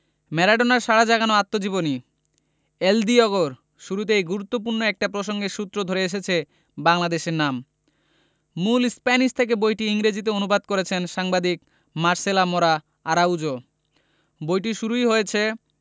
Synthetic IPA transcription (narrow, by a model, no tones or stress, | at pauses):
mɛɾaɖonaɾʃaɽad͡ʑaɡanoat̪ːod͡ʑiboni | eld̪iɔɡoɾ | ʃuɾut̪̬eejɡuɾut̪ːop̬uɾnoɛk̚ʈapɾoʃoŋɡeɾʃut̪ːɾod̪ʱoɾeeʃ̬et͡ɕʰe | baŋlad̪eʃeɾnam | mulspɛniʃt̪ʰek̬ebojʈiiŋɾed͡ʑit̪̬eonubad̪koɾet͡ɕʰenʃaŋbad̪ik | maɾselamoɾa | aɾawd͡ʑo | bojʈiʃuɾuiɦojet͡ɕʰe